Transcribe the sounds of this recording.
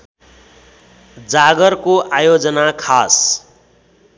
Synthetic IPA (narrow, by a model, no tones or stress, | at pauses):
d͡zaɡʌrkoʔajod͡zʌnakʰas